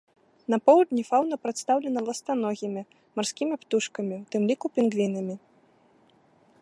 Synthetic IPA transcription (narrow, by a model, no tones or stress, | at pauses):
nɐpɔwd̪ʲnʲifawnɐpɾat̪st̪awlʲɛnɐlˠɐst̪anɔɣʲimʲi | marsʲkʲimʲipt̪uʂkɐmʲiwt̪ɨmlʲikupʲinɡvʲinɐmʲi